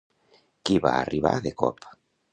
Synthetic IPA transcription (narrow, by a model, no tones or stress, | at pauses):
kiβa̰ariβa̰ðekɔ̰pʰḁ